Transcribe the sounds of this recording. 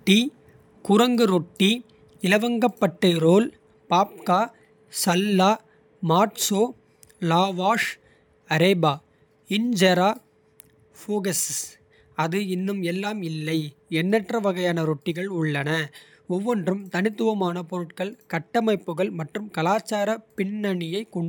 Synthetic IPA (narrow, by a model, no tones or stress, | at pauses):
ʈːi | kʊɾɐŋɡɯɾɔʈːi | ɪlɐʋɐŋɡɐpːɐʈːɐɾoːl | paːp̚kaː | sɐlːaː | maːʈsoː | laːʋaːʂ | ɐɾɛːbaː | ɪɲd͡ʒɐɾaː | foːɣɐs | ɐðɯɪnːɯmɛlːaːmɪlːɐɪɛnːɛʈrɐʋɐɣɐjaːnɐɾɔʈːɪɣɐɭʊɭːɐnɐ | ɔʋːɔndrɯmt̪ɐnɪt̪ːɯʋɐmaːnɐpɔɾɯʈkɐɭkɐʈːɐmɐɪpːɯɣɐɭmɐʈrɯmkɐlaːt͡ʃːaːɾɐpɪɳːɐɳɪjɐɪkɔɳɖ